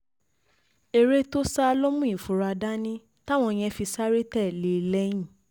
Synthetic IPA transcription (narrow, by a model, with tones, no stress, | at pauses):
e˨ɾe˦to˦sa˦˧lo˦mũ˦ĩ˨fu˨ɾa˧da˦nĩ˦ | ta˦˨w̃ɔ̃˧j̃ɛ̃˧fi˧sa˦ɾe˦tɛ˦˨le˨lɛ˧˦j̃ĩ˦˨